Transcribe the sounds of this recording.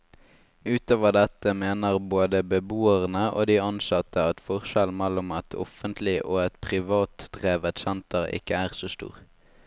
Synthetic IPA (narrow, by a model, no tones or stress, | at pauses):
ʉːt̪oːʋəʁd̪ɛt̪əmeːnəʁboːd̪əbəbuːəʁnəʔo̰ːd̪iːɑnsɑt̪ːəɑt̪fɔʁʃɛlmɛlʊmɑt̪ʰɔ̰fənt̪ʰlɪʔoːɛt̪pʰʁɪʋɑːt̪d̪ʁeːʋət̪sɛnt̪əʁɪ̰kəæːʁsoːst̪ṵːʁ